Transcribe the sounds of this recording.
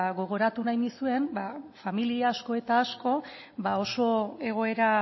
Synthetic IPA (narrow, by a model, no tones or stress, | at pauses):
ɣo̞ɣ̞o̞ɾat̪unajnisue̞nbafamiliaːsko̞e̞t̪aːsko̞ | bao̞so̞e̞ɣ̞o̞e̞ɾa